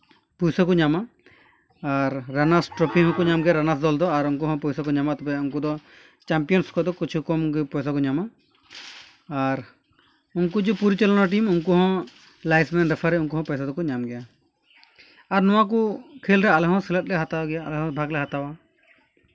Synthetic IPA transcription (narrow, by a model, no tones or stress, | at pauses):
pujsakɔɲama | aɾːanasʈɾɔpiɦɔ̃kɔɲamɡɛjaɾanasd̪ɔld̪ɔaɾunkuɦɔ̃pujsakɔɲamat̪ɔbɛunkud̪ɔ | t͡ʃampijɔnskɔd̪ɔkit͡ʃʰukɔmɡɛpɔjsakɔɲama | ɾ | uŋkud͡ʒupuɾit͡ʃɛlɔnaʈ̬imunkuɦɔ̃ | lajsmɛnɾɛpʰaɾɛuŋkuɦɔ̃pɛjsad̪ɔkɔɲamɡɛja | aɾnɔwak̬ɔkʰelɾɛalɛɦɔ̃sɛlɛt̪̚lɛɦat̪awaɡɛjaːlɛɦɔ̃bʱaɡlɛɦat̪awa